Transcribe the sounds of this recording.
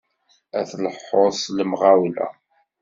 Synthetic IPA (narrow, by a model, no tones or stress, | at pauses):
æθləħːoðˤsləmʁawlæ̰